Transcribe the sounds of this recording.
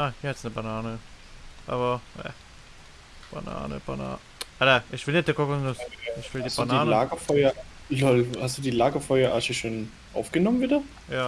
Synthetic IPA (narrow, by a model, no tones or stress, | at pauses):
ʔaːhiːɐhɛtsnəbanaːnəʔa̰ːβɐhɛ̰ | b̥a̰na̰ːnə̰b̥ana̰ː | hataʔɪçv̥ɪlnɛt͡sd̥eɐkʰokʊsnʊsɪçv̥ɪldiːbanaːnləaːɡɐfɔʏɐ | lɔlhastd̥uːdiːlaːɡɐfɔʏɐʔaːʃəʃoːn | ʔa̰ʊfɡ̥ənɔmənviːdɐ | jaː